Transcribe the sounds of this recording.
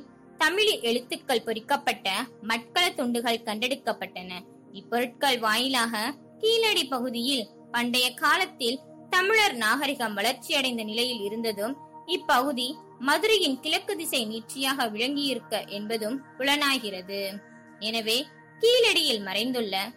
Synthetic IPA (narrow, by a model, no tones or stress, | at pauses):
t̪ɐmɪɭiʔɛɻɯt̪ːɯkːɐɭpɔɾɪkːɐpːɐʈːɐmɐʈ̚kɐɭɐt̪ːɔɳɖɯɣɐɭkːɐɳɖɛɽɯkːɐpːɐʈːɐnɐ | ɪpːɔɾɯʈ̚kɐɭʋaːjɪlaːɣɐ | kiːlɐɽipɐɣɯðɪjɪl | pɐɳɖɐjɐkaːlɐt̪ːɪl | t̪ɐmɪɻɐɾnaːɣɐɾɪɣɐmʋɐɭɐɾt͡ʃɪjɐɽɐɪnd̪ɐnɪlɐjɪlɪɾɯnd̪ɐðɯm | ɪpːɐɣɯði | mɐðɯɾɐjɪnkɪɻɐkːɯðɪsɐɪniːr̚t͡ʃɪjaːɣɐʋɪɻɐŋɡɪjɪɾɯkːɐʔɛnbɐðɯmkʊɻɐnaːɣɪrɐðɯ | ɛnɐʋeː | kiːlɐɽɪjɪlmɐɾɐɪnd̪ɯɭːɐ